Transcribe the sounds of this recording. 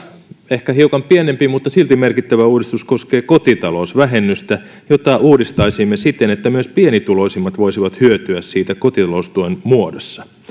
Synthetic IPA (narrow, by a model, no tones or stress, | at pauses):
ehkæhiukɑmpienempimut̪ːɑsilt̪imerkit̪ːæʋæuːdist̪usko̞skeːkot̪it̪ɑlosʋæɦenːyst̪æ | jot̪ɑʔuːdist̪ɑisimːesit̪ːenet̪ːæmyøspienit̪ulo̞isimːɑt̪ʋoisiʋɑt̪hyøt̪yæssiːt̪ækot̪it̪ɑlost̪uinmuodosːɑ